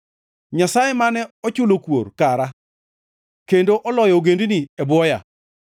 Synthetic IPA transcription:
ɲasajemanɛɔt͡ʃʊlokwo̰rkaɾa | kendoʔɔlɔjɔɡenduniɛbwɔja̰

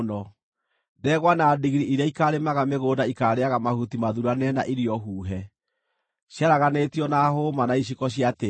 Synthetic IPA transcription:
nɔ | dɛɣwanadiɣɾiiɾaikaɾemaɣameɣoːdaikaːɾeaɣamahutimaðuɾanɛna̰ʔiɾiɔɦuːɦɛ | ɕjaɾaɣanetiɔnahomanaiɕ̬ikɔɕiate

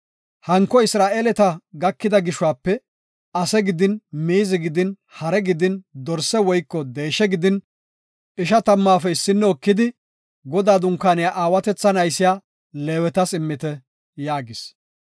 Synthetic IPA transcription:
hɐŋkːɔɪsɾaːʔeːlɛt̪ɐɡɐkːɪd̪ɐɡɪʃʊwaːpːɛ | ɐsɛɡɪd̪ɪnmiːzɪɡɪd̪ɪn | hɐɾɛɡɪd̪ɪnd̪ɔɾsɛwɔjkːɔd̪eːʃɛɡɪd̪ɪn | ɪʃɐt̪ɐmːaːfɛɪsːɪnːɛɔkːɪd̪ɪ | ɡɔd̪aːd̪ʊŋkːaːnɪjaʔaːwɐt̪ɛt͡sːɐnɐjsɪjaː | leːwɛt̪ɐsɪmːɪt̪ɛ | jaːɡɪs

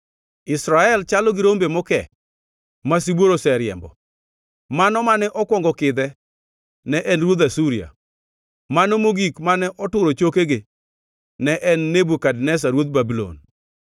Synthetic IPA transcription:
ɪsɾaɛlt͡ʃalɔɡɪɾombemɔkɛ̰ | masibwoɾosɛɾjɛ̰mbɔ | manɔmanɛʔɔkwɔŋɡɔkɪd̪ɛ | nɛʔɛnɾwod̪asuɾia̰ | manɔmoɡikmanɛʔɔtʊɾot͡ʃokeɡe | nɛʔɛnːebukadnɛs̬aɾwot̪̚babilo̰n

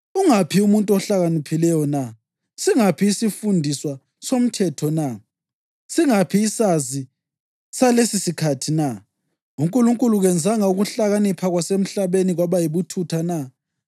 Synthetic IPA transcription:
uŋapʰiumuntʼuɔɬaɣanipʰilɛjɔna | siŋapʰiːsifundʱiswa | som̩tʰɛtʰɔna | siŋapʰiːsazi | salesisikʰatʰina | uŋkʼuluŋkʼuluɣɛnd͡zʱaŋauɣuɬaɣanipʰaɣwasem̩ɬaβeniɣwaβajiβutʰutʰana

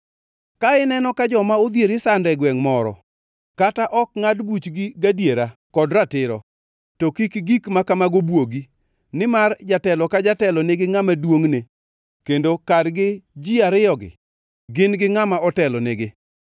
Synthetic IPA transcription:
kaɪnɛnɔkad͡ʒɔmaod̪jeɾɪsandɛɡwɛŋmɔɾɔ̰ | kataʔɔk̚ŋadbut͡ʃɡiɡadjeɾakɔdɾatɪɾɔ̰ | tokikɡikmakamaɡobwoɡi | nɪmard͡ʒatɛlɔkad͡ʒatɛlɔneɡɪŋamadwoŋne | kendokadɡɪd͡ʒiaɾɪjɔɡɪ̰ | ɡɪnɡɪŋamaɔtɛlɔneɡɪ

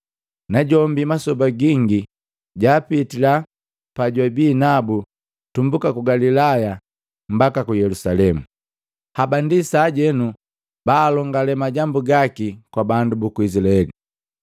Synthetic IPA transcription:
naɟɔmbimasɔbaɡiŋɡi | ɟaːpitila | paɟwabiːnabu | tumbukakuɡalilaja | m̩bakakujɛlusalɛmu | habandisaːɟɛnu | baːlɔŋɡalɛmaɟambuɡakikwabandubukuizilaɛli

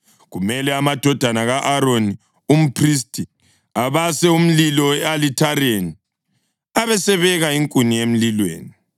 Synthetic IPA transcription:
ɣumɛlɛamad̥ʱɔd̥ʱanaɣaʔaɾoni | um̩pʰris̬tʰʼi | aβasɛum̩lilɔwɛalitʰaɾeni | aβɛsɛβɛɣaiŋkʼuniem̩lilwḛːni

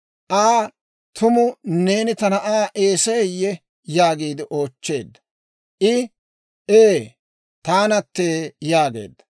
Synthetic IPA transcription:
ʔaː | t̪ʰʊmʊne̞ːnɪt̪ɐnɐʔaːʔe̞ːsɐjɛjːɛ | jaːɡiːd̪ɪʔo̞ːt͡ʃːe̞ːd̪ːɐ | ʔɪ | ʔeː | t̪aːnɐt̪ːeːjaːɡe̞̰ːd̪ːɐ̥

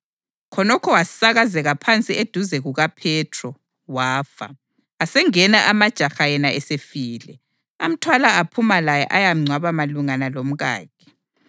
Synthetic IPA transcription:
kʰɔnɔkʰɔwasaɣazɛɣapʰant͡sʼied̥ʱuzɛɣuɣapʰɛtʰrɔ | waːfa̰ | asɛŋɛnaʔamad̥ʒ̥ʱaxajɛnaɛsefiːlɛ | am̩tʰwalaapʰumalajɛ̰ʔajam̩ŋ͡ǀʱwaβamaluŋanalom̩ɣa̰ːkʰɛ̥

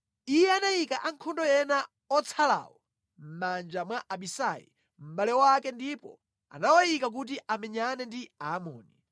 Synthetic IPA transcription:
ijɛanajikaʔaŋ̩kʰɔndɔjɛna | ɔt͡sʰala̰wɔ | m̩mand͡ʒamwaʔaɓisajḭ | m̩ɓalɛwakɛndipɔ̰ | a̰nawajikak̬ut̬iʔamɛɲanɛndiaːmɔ̰ːni

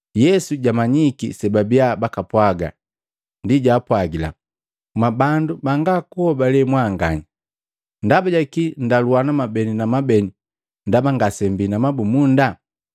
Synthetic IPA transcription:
jɛsuɟamaɲikḭsɛbabiabakapwaɡa̰ | ndiɟaːpwaɡila̰ | mabandubaŋɡakuhɔbalɛmwaŋɡa̰ɲi | ndabaɟakindaluanamabɛninamabɛni | ndabaŋɡasɛmbinamabumunda

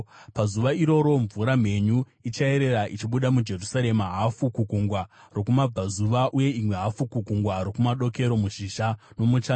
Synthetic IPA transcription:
pazuʋaiɾo̞ɾo̞ɱvuɾam̤e̞ɲu | it͡ʃae̞ɾe̞ɾaʔit͡ʃiɓuɗamud͡ʒe̞rusaɾe̞maɦafukukuŋɡwa | ro̞kumab͡vazuʋaʔuje̞imwe̞ɦafukukuŋɡwaɾo̞kumaɗo̞ke̞ɾo̞muʃiʃa | no̞mut͡ʃa

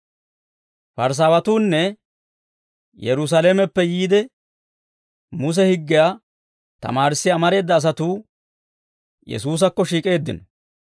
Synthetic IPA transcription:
fɐɾs̬aːwɐt̪uːnːɛ | jɛɾʊs̬alemɛpːɛjiːd̪ɛ | mʊs̬ɛhɪɡːɪjaː | t̪ɐ̰maːɾɪsːɪɐmɐɾe̞ːd̪ːɐːs̬ɐt̪uː | jɛ̰suːs̬ɐkːɔʃiːkʼe̞ːd̪ːɪ̰nɔ

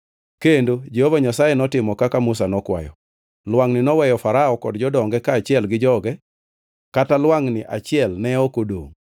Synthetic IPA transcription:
kendod͡ʒehovaɲasajɛnɔtɪmɔkakamʊsanɔkwa̰jɔ̰ | lwaŋnɪnɔwɛjɔfaɾaɔkɔdd͡ʒɔdɔŋɡɛkaːt͡ʃɪɛlɡɪd͡ʒɔɡɛ | katalwaŋnɪʔa̰t͡ʃɪɛlnɛokodo̰ŋ

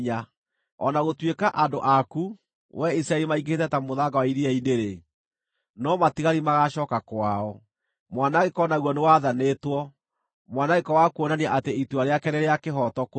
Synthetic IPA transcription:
ɲa | ɔ̰naɣotwekaʔandoʔaku | wɛisɾaɛlimaiɡetɛtamoðaɡawaiɾiaineɾe | nɔmatiɣaɾimaɣaʃɔːkakwaɔ | mwanaɣekɔnaɣwɔnewaðanetwɔ | mwanaɣekɔwakuonaniaʔateituaɾeakɛnɛɾɛakeɦɔtɔko

